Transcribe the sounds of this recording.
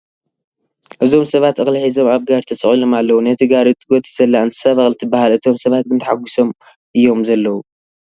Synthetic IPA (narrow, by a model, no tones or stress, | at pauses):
ʔɨzo̞msɐβat̪ʔɨxlħizo̞maβɡaɾt̪ʰɐt͡sʼɨχʼilo̞malːɐwunɐt̪ʰɨɡaɾit̪ʼɨɡot̪zɐlːaɨnt̪ʰɨ̥saβɐxʼlt̪ʰɨbːahalɨt̪ʰo̞msɐβat̪̚ɡɨnt̪ʰħaɡʷuso̞m | ʔɨjːo̞mzɐlːɐwu